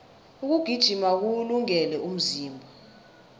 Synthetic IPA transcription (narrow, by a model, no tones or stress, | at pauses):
uk̬uɡ̥ʱid̥ʒ̥ʱimak̬uluŋɛlɛʔum̩ziːmbʱɔ